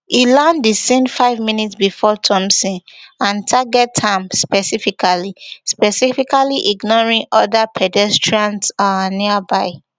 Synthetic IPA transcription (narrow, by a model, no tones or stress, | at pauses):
ilãndisɛ̃ndfaɪvmĩnitsbifɔtʰɔ̃msĩnãntʰaɡɛtʰhãmspɛsifikʰalispɛsifikaliʔiɡnɔɹĩŋɔdapʰɛdɛstɹiãntsaniabaɪ